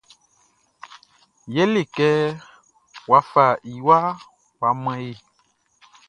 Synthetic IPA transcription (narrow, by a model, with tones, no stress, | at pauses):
je˦le˨kɛ˦ | wa˨˦fa˨i˨wa˦ | wa˨mɛ̃˦je˨